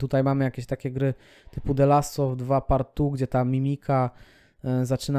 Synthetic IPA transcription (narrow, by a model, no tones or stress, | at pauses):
t̪ut̪ajmamɘjakʲeɕt̪akʲɛɡɾɘ | t̪ɘpud̪ɛlasɔvd̪vapaɾt̪uɡd͡ʑɛt̪amʲimʲikʰa | zat͡ʂɘna